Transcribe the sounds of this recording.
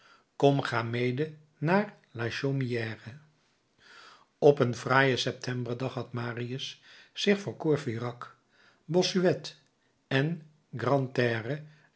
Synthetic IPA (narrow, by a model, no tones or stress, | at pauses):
kɔmχaːmejdə | naːr | laʃomijɛːrə | ɔpənvraːjəsɛp̚tʰɛmbəɹdɑχɦɑtmaːriəsːɪχfoʊːɹkuːɹfirɑk | bɔsyɛt | ɛn | ɡrɑntɛːrə